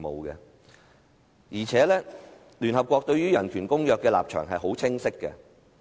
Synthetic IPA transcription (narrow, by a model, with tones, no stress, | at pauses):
mo̰˨wkɛ˧ | jiː˨˩t͡sʰɛː˨˥lɛː˥ | lyː˨˩nɦɐ˨p̚kʷɔː˧k̚t̪ɵ˧ɥɥyː˥jɐ˨˩nkʰyː˨˩nkʊ˥ŋjœː˨˧kːɛː˧la̰ː˨p̚t͡ʃʰœ̰ː˨˩ŋɦɐ˨jho˨˥wt͡sʰɪ˥ŋsɪ˥kːɛ̰˧